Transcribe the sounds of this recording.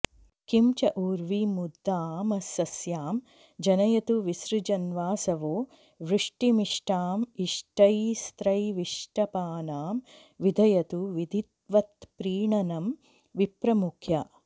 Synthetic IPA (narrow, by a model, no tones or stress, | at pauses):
kimt͡ʃɐʔuːɾʋimud̪ʱːaːmɐsɐsjaːm | d͡ʒɐnɐjɐt̪uʋisɾud͡ʒɐnʋaːsɐʋoː | ʋɾɨʂʈimiʂʈaːmiʂʈɐjst̪ɾɐjʋiʂʈɐpaːnaːm | ʋid̪ʱɐjɐt̪uʋid̪ʱit̪ʋɐt̪pɾiːɳɐnɐm | ʋipɾɐmukʰjɐ